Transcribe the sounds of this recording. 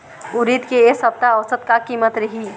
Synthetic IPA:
uɾid̪keesəb̚t̪aəʋsət̪kakimət̪ɾəɦi

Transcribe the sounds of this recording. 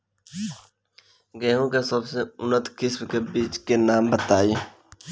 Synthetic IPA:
ɡɛːɦũkesəbseʊnət̪kɪsmkebiːt͡ʃkenaːmbət̪aːi

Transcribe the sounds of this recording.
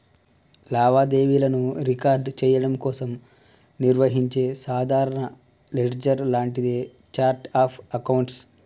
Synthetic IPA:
laːʋaːd̪e̞ːʋilɐnuɾikaːɾɖt͡ʃɛːjɐɽɐmkɔːsɐm | niɾʋɐɦiɲt͡ʃeːsaːd̪ʱaːɾɐɳɐ | leʈd͡ʒɐɾlaːɳʈid̪e | t͡ʃaːɾʈaːpʰɐkɐwɳʈs

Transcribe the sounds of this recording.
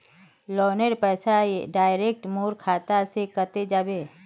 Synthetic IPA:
lɔːneɾpɛːsaeɖaːɪɾeːk̚ʈmoːɾkʰaːt̪asekət̪ed͡ʒabeː

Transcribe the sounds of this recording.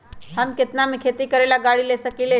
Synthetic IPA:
həmkɪt̪namekʰet̪ikəɾelaɡaɽilesəkile

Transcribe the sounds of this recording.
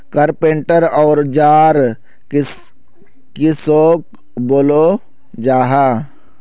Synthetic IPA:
kəɾpẽɳʈəɾɔːɾd͡ʒaːɾ | kɪsoːk | boːlo | d͡ʒaːɦaː

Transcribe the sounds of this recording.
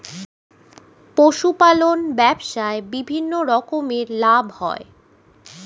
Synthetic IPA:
poʃupalonbɛbʃaebibʱinːoɾɔkomeɾlabʱhɔ̰e

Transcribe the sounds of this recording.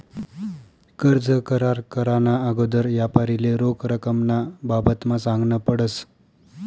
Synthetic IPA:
kəɾd͡zəkəɾaɾkəɾanaəɡod̪əɾʋjapaɾileɾokɾəkəmnababət̪masãŋɡnəpəɽəs

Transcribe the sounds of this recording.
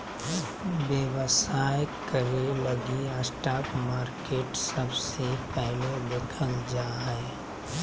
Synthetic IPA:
bjəwəsaːjkəɾeləɡiəsʈaːkmaːɾkeːʈsəbsepɛɦled̪ɪkʰəld͡ʒaːɦɛ

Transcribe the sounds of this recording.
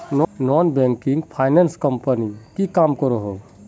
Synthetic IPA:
nnɔnbẽŋkiŋɡpʰajnenskəmpənikikaːmkɔɾoɦo

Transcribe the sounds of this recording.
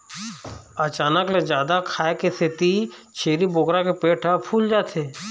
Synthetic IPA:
ət͡ʃaːnəkled͡ʒjaːd̪akʰaːekesɪt̪it͡ʃʰeːɾiboɡɾakepeːʈʰapʰuːld͡ʒaːt̪ʰeː

